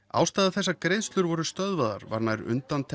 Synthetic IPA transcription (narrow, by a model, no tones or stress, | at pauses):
a̰ːwst̪ajðaθɛsːakɾejðst̪lʏɾvɔɾʏst̪œðvaða̰ɾva̰ɾnajɾʏ̰nt̪ant̪ʰ